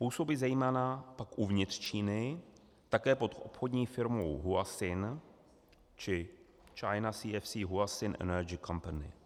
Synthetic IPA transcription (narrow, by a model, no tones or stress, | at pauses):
puːsobizajimanapakʔuvɲɪt̪r̥t͡ʃiːnɪ | t̪akɛːpo̞t̪ʔo̞̰pxod̪ɲiːfɪɾmo̰wɦuasɪn | t͡ʃɪ | t͡ʃajnasiːɛfsiːɦuasɪnʔɛ̰nɛɾd͡ʒɪkampanɪ̰